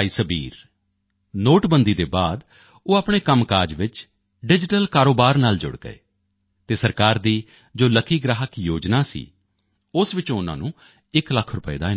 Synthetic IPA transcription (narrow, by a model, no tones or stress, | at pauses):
iːsəbiːɾ | noːʈbənd̪iːd̪eːbaːd̪ | oːaːpɳ̃eːkəmkaːɾd͡ʒʋɪt͡ʃ | ɖɪd͡ʒɪʈəlkaːɾoːbaːɾnaːld͡ʒʊ̰ɽɡə̰ḛː | t̪eːsəɾkaːɾd̪iː | d͡ʒoːləkʰiːɡɾaːɦəkjoːd͡ʒnaːsḭː | ʊsʋɪt͡ʃõːʊnã̰ːnũː | ɪkləkʰːɾʊpəḛːd̪aːɪ